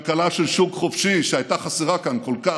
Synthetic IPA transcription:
kalaʃelʃukχofʃiʃeajt̪aχasiʁakankolka

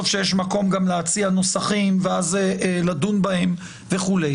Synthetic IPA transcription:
ofʃejeʃmako̞mɡamleat͡siano̞saχimveazeʔladunbahem | veχule

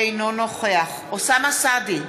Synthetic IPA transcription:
ejnonoχeaχ | osamasad̪i

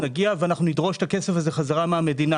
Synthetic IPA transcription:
naɡiaveanaχnunidʁo̞ʃe̥t̪ake̞sefazeχazaʁameame̞dina

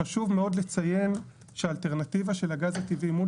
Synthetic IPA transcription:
aʃuvmeo̞dlet͡saje̞n | ʃealteʁnat̪ivaʃe̞laɡazat̪ivimu

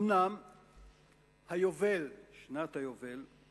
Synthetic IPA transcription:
nam | hajovelʃnat̪hajovel

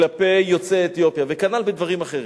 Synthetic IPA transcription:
lapejo̞t͡seet̪jo̞pjavekanalbed̪vaʁimaχeʁi

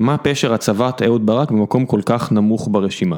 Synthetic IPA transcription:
mapeʃeʁhat͡savat̪eud̪̚baʁakbemako̞mko̞lkaχnamuχbaʁeʃima

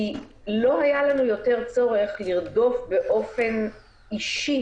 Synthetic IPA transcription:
i | lo̞ɦajalanujo̞te̞ʁt͡so̞ʁe̞χliʁdo̞fbe̞ʔo̞fe̞n | iʃi

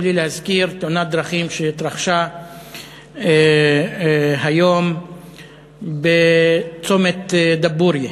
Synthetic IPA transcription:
lilehazkiɾt̪onad̪ɾaχimʃeit̪ɾaχʃa | ɦajom | bet͡somet̪d̪abuɾje

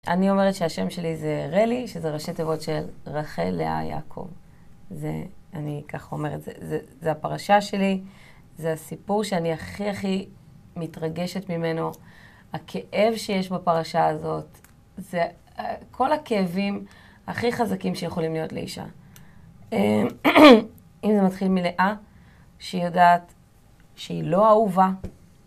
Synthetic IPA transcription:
a̰nio̞me̞ʁetʃeaʃe̞mʃe̞lize̞ʁeliʃezeʁaʃet̪evo̞tʃelʁaχḛlḛa̰ja̰kʰo̞̰v | zḛanikaχo̞me̞ʁetz̥ḛzezeapaʁaʃaʃe̞li | zeasipuʁʃeaniaχiaχi | mitʁaɡe̞ʃetmime̞no̞ | hakʰe̞ʔevʃejeʃbapaʁaʃaːzo̞t | ze | kʰo̞lakeːvim | aχiχazakimʃejeχo̞limlijo̞tlḛḭʃa̰ | e | imzematχilmile̞ʔa | ʃejodaːt | ʃeilo̞auva

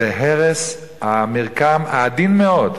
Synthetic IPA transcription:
eɦeʁes | hamiʁkamaːd̪inmeod

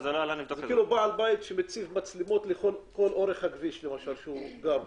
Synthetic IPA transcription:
zeloalanivokzekiːlubaalbait̪ʃemet͡sivmat͡slimo̞t̪leχo̞lko̞lʔo̞ʁeχhaɡviʃlemaʃalʃeuɡav

